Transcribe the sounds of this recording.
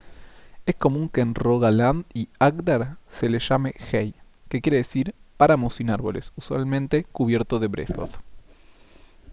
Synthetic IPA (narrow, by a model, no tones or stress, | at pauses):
e̞sko̞mũŋkeːnroɣaland̪iakd̪aɾse̞leʃamexej | kekjeɾeðesiɾpaɾamosinaɾβo̞lḛsuswa̰lmẽ̞nt̪e̞kuβje̞ɾt̪oðe̞βɾeθo̰θ